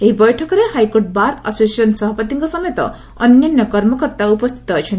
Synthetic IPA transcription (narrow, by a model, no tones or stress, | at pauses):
eɦibʌjʈʰɔkɔɾehajkoʈ̚baɾa̰sosʌnsʌɦɔpʌt̪iŋkɔsʌmet̪ɔ̰ | ʌnjʌnːʌkɔɾmɔkɔɾt̪aupɔst̪ʰi̥t̪ɔɦojt͡ʃʰʌn